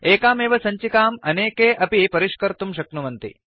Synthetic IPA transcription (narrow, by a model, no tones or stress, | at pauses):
eːkaːmeːʋɐsɐɲt͡ʃikaːmɐneːkeːʔɐpipɐɾiʃkɐɾt̪umʃɐknuʋɐnt̪ḭ